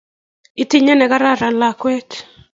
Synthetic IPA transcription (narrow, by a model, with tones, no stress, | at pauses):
i˨ti˦ɲɛ˦nɛ˨ka˦ɾa˦ɾa˨la˨kwɛ˦t͡ʃ